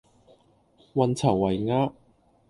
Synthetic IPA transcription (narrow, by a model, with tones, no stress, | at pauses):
wɐ˨˧nt͡sʰɐ˨˩wːɐ˨˩jŋaː˥